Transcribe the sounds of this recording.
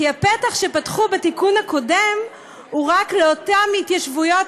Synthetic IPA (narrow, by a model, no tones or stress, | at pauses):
iapetaχʃe̞patχubetikunhako̞dem | uʁakleotamitjaʃvujo̞t